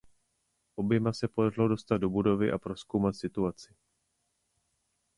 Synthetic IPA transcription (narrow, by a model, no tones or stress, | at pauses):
ʔo̞bjɛmasɛpo̞darɪlo̞do̞st̪ad̪̚do̞budo̞vɪʔapɾo̞sko̞wmat̪sɪt̪uat͡sɪ